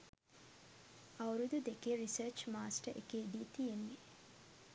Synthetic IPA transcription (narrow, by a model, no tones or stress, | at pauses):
ɐwɾud̪ud̪ekeɾisəɾt͡ʃmaːsʈəʔḛkeːd̪iːt̪ienːi